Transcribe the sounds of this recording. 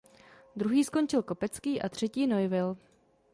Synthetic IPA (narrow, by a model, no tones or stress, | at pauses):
d̪ɾuɦiːsko̞nt͡ʃɪlko̞pɛt͡skiːʔat̪r̝̥ɛciːno̞jvɪl